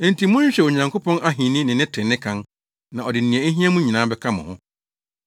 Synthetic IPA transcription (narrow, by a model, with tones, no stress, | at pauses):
n̩˨ti˨mʊ̃˦ɲᶣ˦ɕᶣɛ˨wo˨ɲã˨ŋkʰo˦pʰɔ̃˦na˦ɦĩ˨nɪ̃˦nɪ̃˨nɪ̃˦tʰɪ̃˨nːɪ̃˦kʰã˦n | nã˨ɔ˨dɪ˨n̩˨nĩ˨ɛ˨e˦ɦĩ˦a˦mũ˦ɲĩ˨nãː˨˦bɛ˦kʰa˦mʊ̰̃˨hʊ̃˦